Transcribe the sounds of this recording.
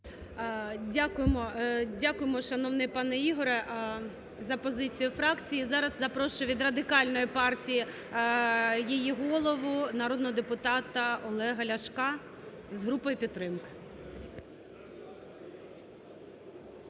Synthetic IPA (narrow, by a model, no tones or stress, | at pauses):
dʲakʊjemɔdʲakʊjemɔʃɐnɔʋnɪpɑnɛiɦɔɾɛʔ | zɐpɔzɪt͡sʲijʊfɾɑkt͡sʲijizɑɾɐzzɐpɾɔʃʊʋʲid̪rɐd̪ɪkɑlʲnɔjipɑrtʲiji | jijiɦɔlˠɔʋʊnɐɾɔd̪nɔɦɔd̪epʊt̪ɑt̪ɐɔlˠɛɦɐlʲɐʃkɑ | zɦɾupɔjʊpʲit̪ːɾɪmkɪ̥